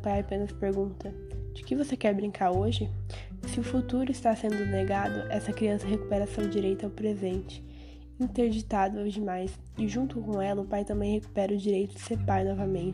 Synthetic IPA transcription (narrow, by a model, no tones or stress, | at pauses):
pajajapẽnɐspeɾɡũnt̪ɐ | d͡ʒɪkɪvosekɛɾbɾĩŋkaɾoʒɪ | sɪʊfut̪uɾʊist̪asẽnd̪ʊneɡad̪ʊʔɛsɐkɾiɐ̃sɐɦeku̥pɛɾɐsewd͡ʒiɾejt̪ʊawpɾezẽnt͡ʃɪ̥ | ĩt̪eɾd͡ʒit̪ad̪ʊawd͡ʒɪmajs | ɪʒũt̪ʊkõw̃ɛlɐʊpajt̪ɐ̃mbẽj̃heku̥pɛɾɐʊd͡ʒiɾejt̪ʊd͡ʒɪseɾpajnɔvɐmẽnt͡ʃ